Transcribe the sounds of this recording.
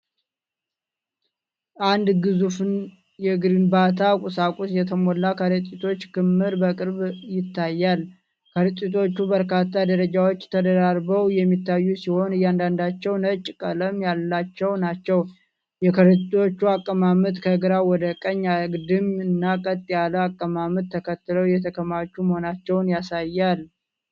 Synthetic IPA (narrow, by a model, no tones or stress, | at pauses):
ʔand̪ɡɨzufn | jɛɡɨɾɨnbat̪ʰakʼusakʼusjɛt̪ʰəmɔlːakʰəɾət̪ʼit̪ʰo̞t͡ʃːkʰɨmːɨɾbəkʼɨɾbjɪt̪ʰːajːal | kʰəɾt̪ʼit̪ʰo̞t͡ʃːubəɾkʰat̪ʰːad̪əɾəd͡ʒawo̞t͡ʃːt̪ʰəd̪əɾaɾbəwjɛmːit̪ːajːusiho̞nɨjːand̪and̪at͡ʃːɛwnət͡ʃʼːkʼələmjalːat͡ʃːɛwnat͡ʃːɛw | jɛkʰəɾɨo̞t͡ʃːuakʼːəmamɨt̪kʰəɡɨɾawɔd̪əkʼəɲːaɡd̪ɨmɨnːakʼət̪ʼːijaləakʼːəmamɨt̪ʰːəkʰət̪ːɨləwjɛt̪ʰəkʰəmat͡ʃːuməho̞nat͡ʃːɛwnjasajːal